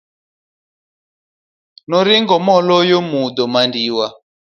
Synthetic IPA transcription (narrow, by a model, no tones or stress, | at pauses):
nɔɾiŋɡɔmɔlɔjɔmud̪ɔmandiwa